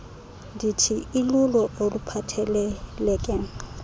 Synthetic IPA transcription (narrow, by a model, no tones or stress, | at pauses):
ditʰiɪlʊlɔʔolupʰatʰɛlɛlɛkʼɛŋ̩